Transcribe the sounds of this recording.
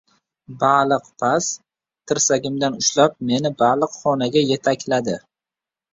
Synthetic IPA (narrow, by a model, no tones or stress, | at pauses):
balˠɨqpʰas | t̪ʰɪɾsaɡʲɪmd̪anʊʃlap̚me̞nɪbalˠɨqχɒnaɡʲaje̞t̪ʰakʲlad̪ɪ